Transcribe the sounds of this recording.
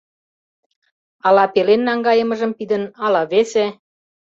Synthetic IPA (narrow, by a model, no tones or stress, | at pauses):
ɑlɑpelenːɑŋɡɑjə̆mə̆ʒəmpid̪ə̆nɑlɑβese